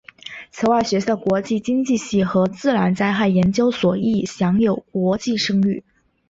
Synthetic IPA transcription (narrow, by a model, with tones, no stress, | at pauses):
t͡sʰɤ˧˥ʊa˥˩ɕɥɛ˧˥ɕkwɔ˧˥t͡ɕi˥˩t͡ɕi˥ŋt͡ɕi˥˧ɕi˥˩xɤ˧˥t͡sɹ̩˥˩ɻa˧˥nt͡sa˥ɪxa˥˩ɪjɛ˧˥nt͡ɕjo˥ʊswɔ˨˩i˥˩ɕjɑ˧˥ŋjo˨˩ʊkwɔ˧˥t͡ɕi˥˩ʂɤ˥ŋy˥˩